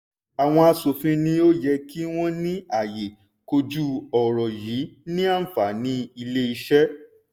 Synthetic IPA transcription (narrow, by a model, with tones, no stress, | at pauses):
a˨w̃ɔ̃˧a˧so˨fĩ˧nĩ˧o˦jɛ˧ki˦w̃ɔ̃˦nĩ˦a˦˨je˨ | ko˧d͡ʒu˦ɔ˨ɾɔ˨ji˨˦nĩ˦a˦fa˨nĩ˦i˧le˦i˧ʃɛ˦